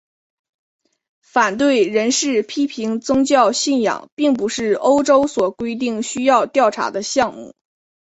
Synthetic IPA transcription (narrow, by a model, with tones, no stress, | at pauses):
fa˨˩nt̪̬we˥˩ɪɻə˧˥nʂɻ̩˥˩pʰi˥pʰi˧˥ŋt͡sʊ˥ŋt͡ɕjɑ˥˧ʊɕi˥˩njɑ̰˨˩ŋpi˥˩ŋp̬u˧˥ʂɻ̩˥˩o˥ʊʈ͡ʂo˥ʊswɔ˨˩kwe˥ɪt̪̬i˥˩ŋɕy˥jɑ˥˧ʊt̪jɑ˥˩ʊʈ͡ʂʰa̰˧˥d̪ə˧ɕjɑ˥˧ŋmṵ˥˩